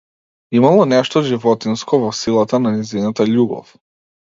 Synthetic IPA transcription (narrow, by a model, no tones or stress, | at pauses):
imalˠɔnɛʃt̪ɔʒivɔt̪inskɔvɔsilˠat̪ananɛzinat̪aʎuɡɔ̰f